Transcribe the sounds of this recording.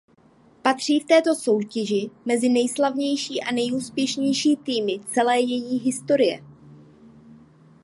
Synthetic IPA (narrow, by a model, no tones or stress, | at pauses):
pat̪r̝̥iːft̪ɛːt̪o̞so̞wcɛʒɪmɛzɪnɛjslavɲɛjʃiːʔanɛjuːspjɛʃɲɛjʃiːt̪iːmɪt͡sɛlɛːjɛjiːɦɪst̪o̞ɾɪjɛ̰